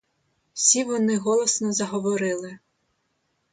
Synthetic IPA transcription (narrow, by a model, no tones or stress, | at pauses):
w̥sʲiʋɔnɪɦɔlˠɔsnɔzɐɦɔʋɔɾɪlˠɪ